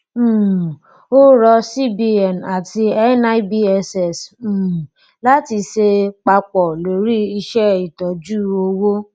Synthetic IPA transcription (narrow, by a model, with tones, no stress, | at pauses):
o˦ɾɔ˧si˦bi˧ɛ˨na˨ti˧ɛ˦na˧i˦bi˦ɛ˧sɛ˨s̩˨ | la˦ti˧ʃe˧k͡pa˧k͡pɔ˨lo˨ɾi˦i˧ʃɛ˦i˨tɔ˨d͡ʒu˦˨o˧wo˦